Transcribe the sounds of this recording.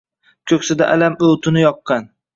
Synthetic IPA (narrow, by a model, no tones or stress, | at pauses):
kʲʰɵkʲsɪd̪aʔalamowt̪ʰʊnɪjɒqːɑn